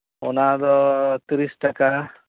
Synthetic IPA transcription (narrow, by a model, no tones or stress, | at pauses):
unad̪ɔt̪ɾisʈɐka